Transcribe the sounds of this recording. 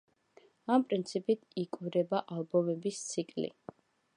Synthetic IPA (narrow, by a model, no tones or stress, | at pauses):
ampʼɾint̪sʰipʼit̪ʰikʼɾɛbaʔalˠbɔmɛbist̪sʰikʼlḭ